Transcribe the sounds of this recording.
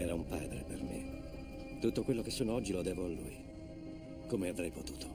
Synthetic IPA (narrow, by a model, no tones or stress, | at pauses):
ɛːɾaumpa̰ːd̪ɾepḛrmḛ | t̪ut̪ːokwelːokesːoːnoɔd͡ʒːilod̪ɛːvoalːṵːji | komeavɾɛjpot̪uːt̪o̥